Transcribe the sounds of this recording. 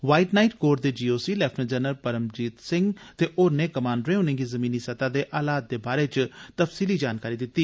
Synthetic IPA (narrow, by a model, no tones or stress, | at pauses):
ʋaːiʈnaːiʈkoːɾd̪eːd͡ʒiːoːsiːlɛːpʰʈʰnə̃d͡ʒənəɾpəɾəmd͡ʒiːt̪sɪ̃ŋɡt̪eːʔoːɾnẽːkəmãːɳɖɾẽːʊnẽːɡizəmĩːniːsət̪aːd̪eːʔaːlaːt̪̚d̪eːbaːɾeːt͡ʃt̪əfsiːlid͡ʒaːnkaːɾiːd̪ɪt̪ːiː